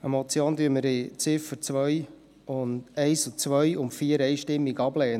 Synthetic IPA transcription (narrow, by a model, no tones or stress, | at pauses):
ɛmɔt͡sjoːnd̪yːəməɾɪt͡sɪfəɾt͡svʋœj | ʊndɛɪsʊt͡sʋœjʊmfiːəɾɛjʃtɪmːiɡɑblɛː